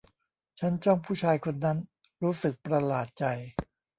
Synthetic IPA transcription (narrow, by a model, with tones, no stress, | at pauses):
t͡ɕʰa˦˥nt͡ɕɔ˥˩ŋpʰuː˥˩t͡ɕʰaː˧jkʰo˧nːa˦˥n | ɾuː˦˥sɯ˨˩k̚pɾa˧laː˨˩t̪̚t͡ɕa˧j